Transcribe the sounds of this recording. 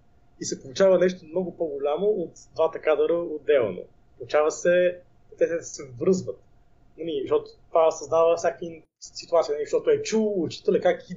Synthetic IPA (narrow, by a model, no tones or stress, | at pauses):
isɛpolˠut͡ʃavənɛʃt̪omnɔɡʊpoɡʊlʲamoot̪d̪vat̪əkad̪əɾəod̪ɛlˠno̰ | polˠut͡ʃavəsɛ | t̪ɛt̪ɛd̪əsɛvɾɤzvət̪ | nɐniʃt̪ɔt̪ʊ̥t̪vasɐzd̪avəfsʲakin | sit̪uat̪siənɐlʲiʃt̪ɔt̪oɛt͡ʃuʊt͡ʃi̥t̪əlɛkaki